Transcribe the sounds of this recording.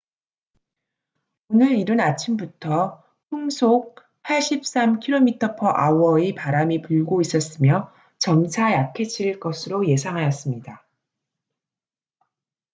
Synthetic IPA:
onɯɾiɾɯnat͡ɕʰimbutʰʌ | ɸuŋsʰok̚ | pʰaɭɕ͈ip̚s͈amkʰiɾomitʰʌpʰʌʔawʌipaɾamipuɭɡois͈ʌs͈ɯmjʌ | t͡ɕʌmt͡ɕʰajakʰet͡ɕʰiɾiɭk͈ʌsʰɯɾoje̞sʰaŋɦajʌs͈ɯmɲida

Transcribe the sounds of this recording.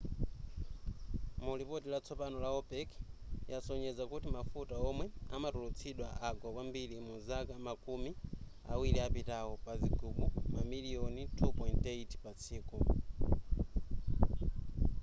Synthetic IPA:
mulipɔtilat͡sʰɔpanɔlaɔpɛkjasɔɲɛzakutimafutaɔmwɛamatulut͡sʰiɗwaʔaɡɔwambilimuzakamakumi | a̰wiliapitaɔpaziɡʱuɓumamilijɔnitʰupɔjnteitpat͡sʰiːkɔ

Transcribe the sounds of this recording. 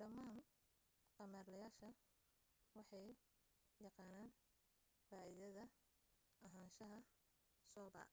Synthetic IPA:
ɖɐmaːn | qɑmaːrlɐjaːʃɐ | wɑħɑj | jɑqɑːnaːn | faːʔɪðɐðɐ | ʔɐɦaːnʃɐɦɐ | sɔːbɐ̰ː

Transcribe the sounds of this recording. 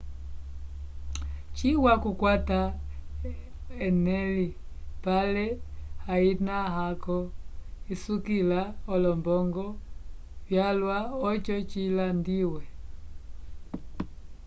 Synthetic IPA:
t͡ʃiwakukwata | ɛnɛli | palɛhainaɦakɔisukilaɔlɔmbɔŋɡɔ | βjalwaɔt͡ʃɔt͡ʃilandiwɛ

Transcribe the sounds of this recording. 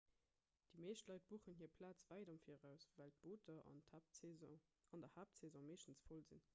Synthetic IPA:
d̥imeːʃtlɑɪt̚b̥uːχənɦiːɐpʰlaːt͡svæɪdɑmfiːʁæʊsvæːlt̚b̥oːtʰɐʔn | ɑndɐhaːp̚sezɔ̃meːʃtən̩t͡sfolzin

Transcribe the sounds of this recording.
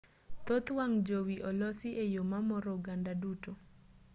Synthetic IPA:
t̪ot̪waŋd͡ʒowiʔɔlɔsiʔejomamɔɾoɡandaduto

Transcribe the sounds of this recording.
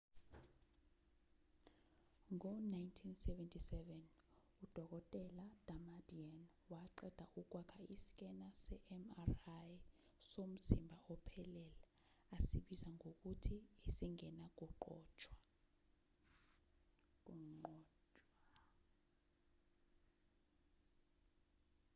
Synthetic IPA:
ŋɔnajntʰinsɛvɛntʰisɛvɛn | ud̥ʱɔk̬ɔtʼɛlad̥ʱamadian | waǃɛd̥ʱaʔuk̬ʼwakʰaisi̥k̬ʼɛnasɛʔɛmaraj | som̩zimbʱaʔɔpʰɛlɛlaː | siɓizaŋok̬utʰiisiŋɛnak̬ʼuǃɔ̰ːt͡ʃʰʼwḁ | k̬ʼuŋ͡ǃɔːt͡ʃʼwa

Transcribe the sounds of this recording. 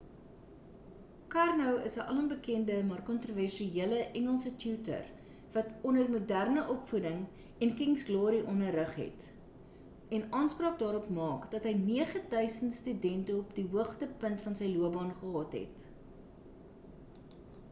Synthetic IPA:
kɑrnəwəsəʔɐlənbəkɛndəmɑːrkɔntroværʃiiələʔɛŋəlˠsətjuːtə̰r | vɐtʰɔnərmudærnəʔɔpfudəŋ | ɛnkiŋsɡlɔːɾiʔɔnəɾəχɦɛ̰t | ɛnɑːnsprɑːk̚dɑːɾɔpmɑːkd̥ɐtɦəjniəχədœɥsəntstydɛntəɔpdiɦuəχtəpəntfɐnsəjluəbɑːnχəɦɑːtɦɛ̰t

